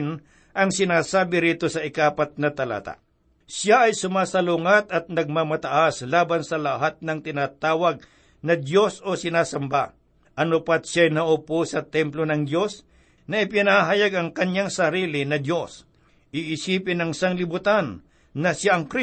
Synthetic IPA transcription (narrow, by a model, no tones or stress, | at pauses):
n | ʔɐŋsɪnaːsaːbɪɾiːt̪o̞sɐʔɪkaːpɐt̪̚nɐt̪ɐla̰ːt̪a̰ | sjaʔɐjsʊmaːsɐluŋɐt̪ɐt̪̚nɐɡ̚mamɐt̪ɐʔaslaːbɐnsɐlɐɦat̪̚nɐŋt̪ɪnaːt̪aːwɐɡ̚ | nɐd̪jo̞so̞sɪnaːsɐmba | ʔɐnopɐt̪̚ʃjajnɐʔoposɐt̪ɛmplo̞nɐŋd̪jo̞s | nɐʔɪpɪnaaɦajaɡɐŋkɐɲaŋsɐɾiːlɪnɐd̪jo̞s | ʔiʔɪsiːpɪnɐŋɪsaŋlɪbʊt̪anː | ɐsjaʔɐŋkɾi